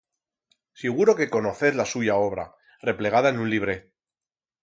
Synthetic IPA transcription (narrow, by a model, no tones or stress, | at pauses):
siɣ̞uɾo̞ke̞ko̞no̞θeðlasuʝao̞β̞ɾa̰ | re̞ple̞ɣ̞aðaenũnliβ̞ɾe̞